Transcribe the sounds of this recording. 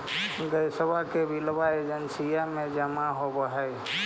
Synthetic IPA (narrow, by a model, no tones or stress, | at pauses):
ɡəjsəbakebʱilbaed͡ʒənsijamẽd͡ʒəmaɦobəɦəj